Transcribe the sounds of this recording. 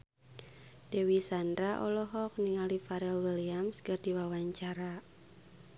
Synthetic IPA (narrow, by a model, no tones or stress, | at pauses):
d̥ewisandɾaʔɔlɔɦɔk̚niŋalifaɾɛlwiliamskərd̥iwawaɲt͡ʃaɾa